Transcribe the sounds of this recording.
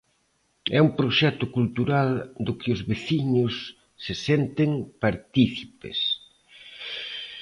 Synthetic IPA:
ɛumpɾoʃɛt̪ʊkult̪uɾald̪ʊkɪʊzβeθiɲʊsː | ɪsɛnt̪ɪŋpaɾt̪iθipḛs

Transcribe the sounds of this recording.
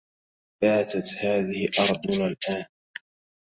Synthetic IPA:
b̥aːt̪at̪haːðɪhɪʔɑɾˤd̪ˤʊnalʔaːn

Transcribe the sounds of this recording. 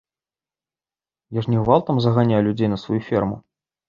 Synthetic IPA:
jaʐnʲɛwvalˠt̪ɐmzɐɣanʲajlʲud͡zʲejnɐsvajufʲɛrmu

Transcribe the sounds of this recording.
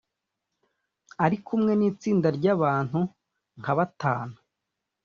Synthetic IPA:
aɾikʰumŋe̞niːt͡siːndaɾɟaβaːn̥hu | ŋ̥aβatʰaːnu

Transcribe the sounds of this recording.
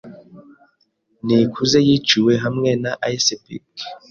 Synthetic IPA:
nikʰuzejit͡ʃuweɦamŋenaʔaisipḭk

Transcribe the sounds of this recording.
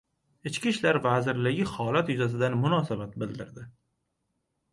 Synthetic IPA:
ɪt͡ʃkʲiʃlaɾvazɪɾlɪɡʲɪhɒlat̪jʊzas̬ɪd̪anmʊnɒsabat̪bɪld̪ɪɾd̪ɪ

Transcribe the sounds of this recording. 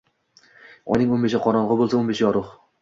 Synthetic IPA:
ɒ̰nɪŋonbeʃ̬ɪqʰɒɾɒɴʁɑbolˠsaonbeʃɪjɒɾʊχ

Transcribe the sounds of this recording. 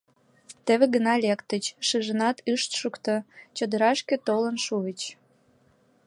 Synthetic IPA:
t̪ĕβĕɣə̆nɑlʲekt̪ət͡ɕʃɨʒənɑt̪ɯʃt̪ʃukt̪ŏt͡ɕəd̪əɾɑʃkĕt̪olənʃuət͡ɕ

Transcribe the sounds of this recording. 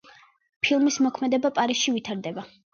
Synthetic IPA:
pʰilˠmismɔkʰmɛd̪ɛbapʼaɾisʃivit̪ʰaɾd̪ɛba

